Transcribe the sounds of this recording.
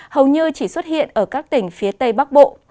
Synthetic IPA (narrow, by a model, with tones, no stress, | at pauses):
hə˨˩wɲɨ˧t͡ɕi˧˩swə˦˥t̚hḭ˧˨ənʔəː˧˩kaː˦˥k̚t̪ï˧˩ŋ̟fi˨˦ət̪ə˧jɓa˦˥k̚ɓo̰˧˨